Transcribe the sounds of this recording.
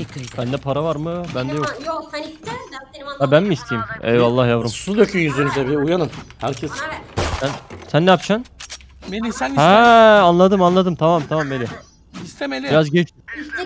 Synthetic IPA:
bænd̪ɛpʰaɾavaɾmɯbænd̪ɛjok̚ | j̪abænmiist̪ʰijimɛ̰valˠːahjavɾɯmsɯd̪øcʰyjynzynyzɛbiujanɯnhæɾcʰɛssænsænːɛjapt͡ʃʰan | hæanlˠad̪ɯmanlˠad̪ɯmt̪ʰamamt̪ʰamamelʲie | ist̪ʰeeiɾazɡet͡ʃʰ

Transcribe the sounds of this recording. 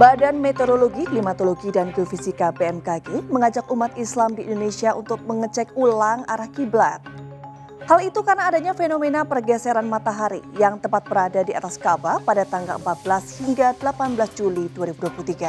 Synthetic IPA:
badanmet̪oɾoloɡiklimat̪oloɡidanɡiofisikapeɛmkaɡeməŋad͡ʒak̚umat̪islamdiːndonesiaʔunt̪ʊk̚məŋət͡ʃɛk̚ulaŋa̰ɾahkiblat̪̚ | halit̪ukarnaːdaɲafenomenapərɡɛsɛɾanmat̪aɦaɾḭjaŋt̪əmpat̪̚bəɾadadia̰t̪askabapadat̪aŋɡaləmpat̪̚bəlashiŋɡadəlapanbəlasd͡ʒuliduaɾibuduwapulut̪iɡa

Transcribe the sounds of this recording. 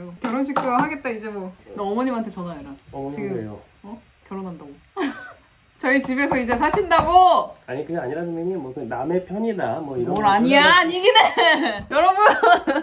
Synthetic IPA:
kjʌɾonɕʰik̚t͈oɾoɦaɡe̞t̚t͈aid͡ʑe̞mwʌʌmʌɲimɦantʰet͡ɕʌnaeɾat͡ɕiɡɯo | ʌ | kjʌɾonɦandaɡo | t͡ɕʌit͡ɕibe̞sʰʌid͡ʑe̞sʰaɕʰindaɡoaɲikɯaɲiɾadomeɲimwʌkɯname̞pʰjʌɲidamwʌiɾoɾaɲiaɲiɡinejʌɾʌbun

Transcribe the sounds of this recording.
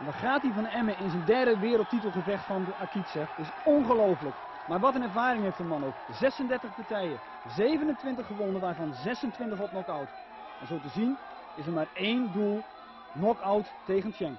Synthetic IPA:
ɛnʋɔχaːtivɔnəɛməɪnzəndɛrdəʋɪːɾəl̩ˠtitəl̩ˠχəvɛχtfɔnəakitsɛɪsɔnχəlowfələk | maːɹʋɔtənɛɹvaːɾɪŋheftdəmɑnok | zɛsəndɛɹtəχpatɛjə | zeːvənəntʋɪntəχəʋɔnəʋaːɹvɑnzɛsəntʋɪntəχɔpnɔkɔwt | ɛnzoːtəzin | ɪsəmaːreːndulˠ | nɔkawt | teːɣəntjɛŋ

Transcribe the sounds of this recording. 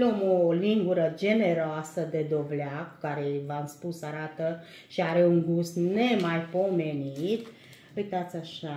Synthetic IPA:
lomoliŋɡuɾəd͡ʒe̞ne̞ɾoasəd̪e̞d̪o̞vleaku̥kaɾevamspusaɾat̪ə | ʃiaɾe̞uŋɡusne̞majpo̞me̞nit̪ | ujt̪at̪sʲaʃa

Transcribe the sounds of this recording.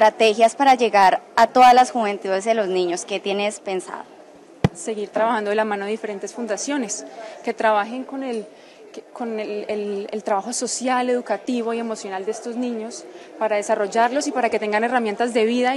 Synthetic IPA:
t̪ɾat̪e̞xjaspaɾad͡ʒe̞ɣaɾat̪o̞ðazlasxuβe̞nt̪uðe̞zðe̞lo̞znĩɲoske̞t̪jenespe̞nsa̰ðo | se̞ɣiɾt̪ɾaβaxand̪oelamãnoðe̞ðifeɾe̞nt̪e̞sfund̪asjo̞ne̞ske̞t̪ɾaβaxe̞ŋko̞nel | koneelelt̪ɾaβaxo̞so̞sjale̞ðukat̪iβo̞ie̞mo̞sjo̞nald̪eest̪o̞znĩɲo̞spaɾaðe̞saro̞d͡ʒaɾlo̞sipaɾake̞t̪e̞ŋɡane̞ramje̞nt̪azd̪e̞βiða

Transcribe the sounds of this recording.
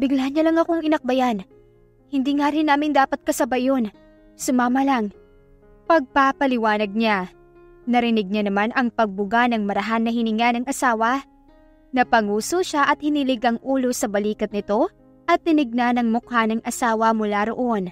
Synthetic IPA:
bɪɡlahɐɲːɐlɐŋɐkoŋɪnɐk̚bɐjan | hɪnd̪iːŋaːɾɪnːaːmɪnd̪aːpɐt̪̚kɐsɐbɐjon | sʊmaːmɐlaŋ | pɐɡ̚papɐlɪwaːnɐɡ̚ɲa | nɐɾɪnɪɡ̚ɲanɐmanʔɐŋpɐɡ̚bʊɡanɐŋmɐɾɐɦanːɐhɪnɪŋanɐŋʔɐsaːwɐ | nɐpɐŋuːsoʃaʔɐt̪̚hɪnilɪɡɐŋʔuːlo̞sɐbɐliːkɐt̪nɪt̪o̞ | ʔɐt̪ːɪnɪɡ̚nanɐŋmʊkhanɐŋʔɐsaːwɐmʊlaɾoʔo̞n

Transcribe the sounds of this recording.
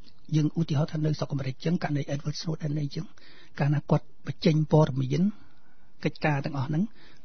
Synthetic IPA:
jəːŋʔuːt̪iəɦɑːt̪ʰaːnɨwsokʔameːɾɨk̚t͡ɕɨːŋkaʔnɨjʔɛt̪̚ʋət̪snuəɗaɛnəjt͡ɕəːŋ | kaːnaːkŏət̪̚ɓət͡ɕəɲpoəɗɑmiən | kəc̚kaːt̪ɛ̆əŋʔɑhnɨŋ

